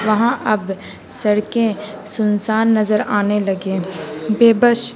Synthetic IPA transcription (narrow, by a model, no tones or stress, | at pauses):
ʋɐɦãʔɐb | sɐɽkẽ | sʊnsaːnːɐzəɾaːnelɐɡẽːbeːbəʃ